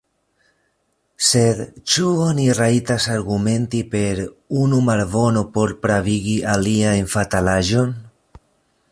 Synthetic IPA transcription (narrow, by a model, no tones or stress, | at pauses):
se̞d̪t͡ʃuoniɾajtasaɾɡume̞ntipe̞ɾunumaɾvo̞no̞po̞ɾpɾaviɡiʔaliaenfatalaʒo̞n